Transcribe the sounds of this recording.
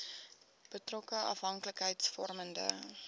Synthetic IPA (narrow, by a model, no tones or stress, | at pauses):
b̥ətrɔkəʔɐ̰fɦɐŋkələkɦəjtsfɔrməndə̰